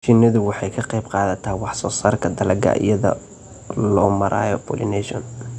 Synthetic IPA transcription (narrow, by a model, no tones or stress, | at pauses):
t͡ʃɪnɐðʊwɑħɑjkʰɐqejb̚qɑːðɐt̪ʰɐhwɑħsɔːsaːrkʰɐd̪ɐlɐɡɐ̰ʔɪ̰jɐðɐ̰ | lɔːmɐɾʔa̰ːjɔpʰɔ̰ːlɪnɛʃɔ̰n